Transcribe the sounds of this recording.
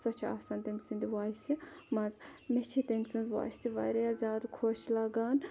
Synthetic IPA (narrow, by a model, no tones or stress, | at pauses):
sot͡ʃʰa̰ːsaːnt̪emʲsɨnd̪iwaːsimɐzmet͡ʃʰit̪emʲsinzʋa̰ːsʲt̪iʋa̰ɾijazʲaːd̪kʰoːʃlɐɡaːn